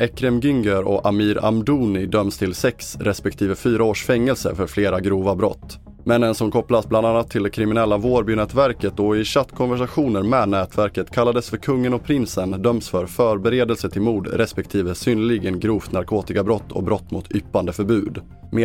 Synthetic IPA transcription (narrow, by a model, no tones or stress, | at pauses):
ʔɛkɾɛmɡʏŋɡəɾɔ̰ʔamiːɾa̰md̪uːnɪd̪œmst̪ʰɪlsɛksɾɛspɛk̚t̪ʰiːvəfyːɾaoːʂfɛŋːɛlsə̰fœɾfleːɾaɡɾuːvabɾɔ̰t̪ː | mɛnːənsɔmkʰɔplasbland̪anːat̪ʰːɪld̪ɛkʰɾɪmɪnɛlːavoːɾbyːnɛːt̪væɾkət̪ɔɪɕat̪ːkʰɔnvæʂaɧuːnəɾmɛːnɛːt̪væɾkət̪kʰalːad̪əsfœɾkʰɵŋːənɔpʰɾɪnsənd̪œmsfœɾfœːɾbɛɾeːd̪əlsət̪ʰɪlmuːd̪ɾʔɛspɛk̚t̪ʰiːvəsyːnəlɪɡənɡɾuːft̪naɾkʰoːt̪ɪkabɾɔt̪ʰːɔ̰kbɾɔt̪ːmʊ̰t̪ʰʏpːand̪əfœɾbʉ̟ːd̪ | meː